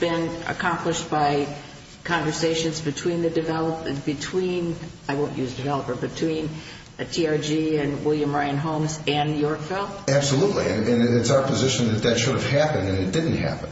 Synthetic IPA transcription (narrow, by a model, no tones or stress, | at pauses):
b̥ɪ̃nə̰kʰɑ̃mpləʃb̥aɪ | kʰɑ̃ɱvə˞seɪʃɨ̃nzbɨtʰw̥ĩnðɨdɨvɛlˠpbɨtʰw̥ĩnaɪwõʊ̃nʔjʉzdɨvɛlˠəpə˞bɨtʰw̥ĩn | ɨtʰiɑɹd͡ʒiɨ̃nwɪlˠjɨ̃mɹãɪ̃nɦõʊ̃mzɨ̃njɔɹkfɪlˠæb̥səlutˡlḭɨ̃nɨ̃nɪtsaʊə˞pʰɨzɪʃɨ̃n̩ðɨt̪̚ðɨtʃʊɾɨv̥hæpɨ̃ndɨ̃nɨt̚d̥ɪdⁿn̩tʔ̚hæ̰pə̃n̩